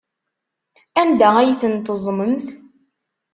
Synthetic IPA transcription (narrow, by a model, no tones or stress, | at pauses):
ænd̪ææjθənt̪əzˤməmθ